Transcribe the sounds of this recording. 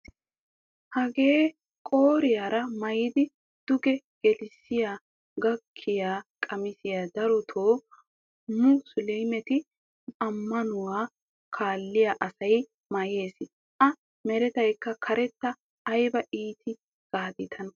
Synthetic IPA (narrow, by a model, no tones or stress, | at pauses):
hɐɡe̞ː | kʼo̞ːɾɪjaːɾɐmɐjɪd̪ɪ | d̪̥ʊɡɛ | ɡ̥ɛlɪsɪjaː | ɡɐkʰːɪjaːkʼɐmɪsɪjaːd̪ɐɾɔt̪ʰoː | mʊsʊlejmɛt̪ɪ | ɐmːɐnʊwaː | kʰaːlːɪjaʔɐsɐj | mɐje̞ːs | ʔɐ | mɛɾɛt̪ɐjkːɐkʰɐɾɛt̪ːɐː | jbɐʔiːt̪ʰɪ | ɡ̥aːd̪ɪt̪ʰɐn